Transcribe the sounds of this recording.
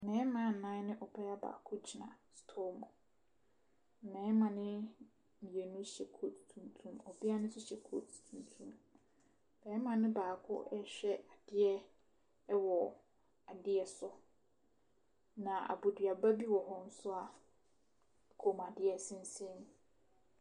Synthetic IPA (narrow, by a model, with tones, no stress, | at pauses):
mɛ̃ː˨˦mã˦˨n̩˨nã˦nɪ̃˦ʔɔ˨bʰɛ˦a˦ba̰ː˨kʰʊ˦t͡ɕʰi˨nã̰˨stʰo˦mʊ̃˨ | mɛ̃ː˨˦mã˨nɪ̃˦ | mĩ˨e˨nʊ̃˦ɕɛ˨kʰo˦tʰtʰũ˨n˨tʰũ˨mɔ˨bi˦a˦nʊ̃˦sʊ˦ɕɛ˨kʰo˦tʰtʰũ˨n˨tʰũ˨m | mɛ̃˨˦mã˨nɪ̃˦baː˨kʰʊ̰˦ʔɛ˦ɕᶣɛ˦a˨d̥ɪ˦ɛ˦ | ɛ˦wɔ˨ | a˨dɪ˦ɛ˨sʊ˦ | nã˨ʔa̰˨bo˨dɥa˨ba˦bi˦wɔ˨ɦɔ˦n̩˦sʊ˦a˨ | kʰo˨ma˨dɪ˦ɛ˨sɪ̃˦n̩˦sɛ̃˦n˦